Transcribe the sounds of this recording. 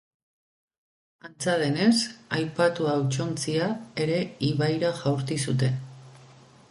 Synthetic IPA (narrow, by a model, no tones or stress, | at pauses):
ant͡saðe̞ne̞sajpat̪uawt͡ʃo̞nt͡siae̞ɾe̞iβajɾaʝawɾt̪isut̪e̞n